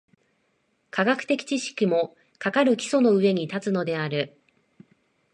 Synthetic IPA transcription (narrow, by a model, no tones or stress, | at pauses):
kaɡakɯ̟̥t̪e̞kʲi̥t͡ɕiɕi̥kʲimo̞ | kakaɾɯ̟kʲi̥sono̞ɯ̟e̞ɲ̟it̪at͡sɨno̞d̪e̞aɾɯ̟